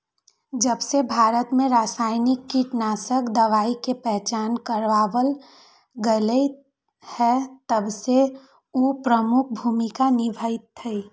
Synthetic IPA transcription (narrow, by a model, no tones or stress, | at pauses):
d͡ʒəbsebʱaːɾət̪mẽɾaːsaːɪnɪkːiʈnaːsəkd̪əʋaːikepɛɦt͡ʃaːnkəɾʋaːʋəl | ɡəlei | hɛt̪əbse | upɾəmʊk̚ʰbʱuːmikanɪbʱəɪt̪ʰːəi